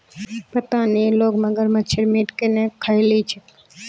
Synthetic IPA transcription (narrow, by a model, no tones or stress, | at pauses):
pət̪aniloɡmə̃ɡəɾmat͡ʃʰeɾmiʈkenekʰailit͡ʃʰe